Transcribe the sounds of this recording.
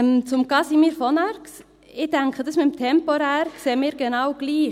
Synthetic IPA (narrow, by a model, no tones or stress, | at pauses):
mt͡sʊmɡ̥ɑsimiːɾfɔnɑɾks | ɪd̥ɛŋkχədɑsmɪtmtʰɛmpɔɾæːɾkseːmiːɾɡenɑwɡ̥liː